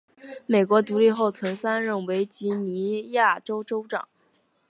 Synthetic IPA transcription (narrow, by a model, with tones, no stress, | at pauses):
me˨˩ɪkwɔ˧˥t̪u˧˥li˥˧xo˥˩ʊt͡sʰə˧˥ŋsa˥nɻə˥˩nwe˧˥ɪt͡ɕi˧˥ni˧˥ja˥˩ʈ͡ʂo˥ʊʈ͡ʂo˥ʊʈ͡ʂɑ̰˨˩˦ŋ